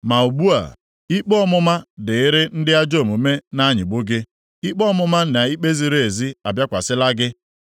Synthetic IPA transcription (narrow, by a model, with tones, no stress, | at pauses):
ma˨u˨bu˦a̰˨ | i˦k͡pɔ˦ɔ˦mʊ˦ma˦dɪ˨ɪ˦ɾɪ˦n̩˦dɪ˦a˦d͡ʒo˦˨mu˨me˦na˦ɲɪ̰˨ɡ͡bʊ˦ɡɪ˦ | i˦k͡pɔ˦mʊ˦ma˦na˨i˦k͡pe˦zi˦ɾe˨zi˦a˨bja˦kʷa˨sɪ˦la˦ɡɪ˦